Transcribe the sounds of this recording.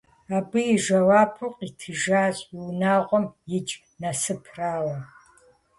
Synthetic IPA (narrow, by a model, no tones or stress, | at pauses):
aːbɨjɪʒɐwaːpʰuqʼitʰɨʒaːzʼwnaːʁʷɔmjɪd͡ʒʼ | nɐsɨpʰraːwɐ